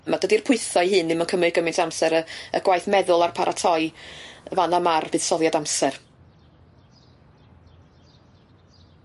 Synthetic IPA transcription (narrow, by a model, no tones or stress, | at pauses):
madədir̥pʰʊɨθɔihɨːnːɪmənkʰəmɨɡəmɪntʰamsɛɾəə̰ɡ̥wajθmɛðʊlˠarpʰaɾʔatʰɔjvanamarvɨːð̥sɔðˠjadamsɛr